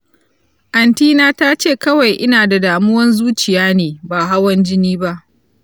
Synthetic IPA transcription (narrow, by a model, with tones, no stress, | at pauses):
ʔa˨ntiː˦naː˦taː˦t͡ʃeː˦˨kɐ˦wa˨jʔɪ˦naː˨da˨daː˨mʊ˦wɐ˦nzuː˦t͡ʃɪ˨jaː˦neː˨baː˨ɦa˦wɐ˦nd͡ʒɪ˦niː˦ba˦ʔ